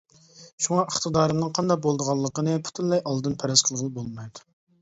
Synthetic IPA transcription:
ʃuŋɑʔəχt̪ʰəd̪ɑːɾɨmnɨŋqʰɑnd̪ɑq̚bolˠd̪əʁɑlˠːəqənɨpʰu̥t̪ʰunlɛjɑlˠd̪ɨnpʰɛɾɛsqʰəlˠʁəlˠbolˠmɑjd̪u

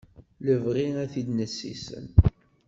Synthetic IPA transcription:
ləvʁiæθid̪nəsːḭsə̰n

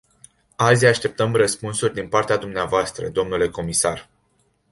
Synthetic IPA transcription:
azʲaʃt̪e̞p̚t̪əmrəspunsurʲd̪inpart̪ead̪umneavoast̪ɾə̰d̪o̞mnule̞ko̞misar

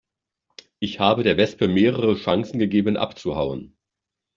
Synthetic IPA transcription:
ʔɪçhaːbədeːɐvɛspəmeːʁəʁəʃaŋsn̩ɡəɡeːbənʔa̰pt͡suhaʊən

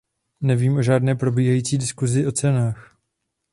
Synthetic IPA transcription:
nɛviːmʔo̞ʒaːdnɛːpɾo̞biːɦajiːt͡siːdɪskuzɪʔo̞t͡sɛnaːx

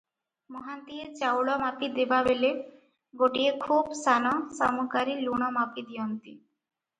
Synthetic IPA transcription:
mɔɦant̪iet͡ɕawɭɔmapid̪ebabele | ɡoʈiekʰubsanɔsamukaɾiluɽɔmapid̪iont̪i

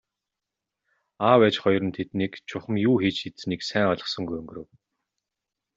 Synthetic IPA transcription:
aːwæːt͡ɕχɔjrə̆nt̪ʰet̪niːkt͡ɕʰʊχə̆mjuːxiːt͡ɕxit̪sɘniːksæːŋɔɮɞ̆χsɞ̆ŋɡujɵŋɡɵ̆ɾɘ̆w

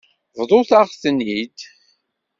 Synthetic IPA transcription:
vðˤoθaʁθənːid̪

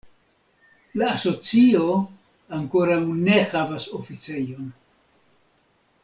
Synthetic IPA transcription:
laːso̞t͡sio̞ | aŋko̞ɾawne̞havaso̞fit͡se̞jo̞n

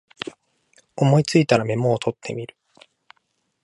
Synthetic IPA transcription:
o̞mo̞it͡sɨit̪aɾame̞mo̞ːt̪ʰo̞t̪ʰːe̞̰mʲiɾɯ̟̥

